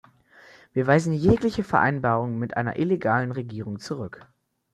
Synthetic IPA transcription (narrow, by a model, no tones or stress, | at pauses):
viːɐvaɪzn̩jeːklɪçəfɛɐʔa̰ɪnbaːʁʊŋənmɪtʔa̰ɪnɐ̰ʔɪleɡaːlənʁeɡiːʁ̞ʊŋt͡suʁʏk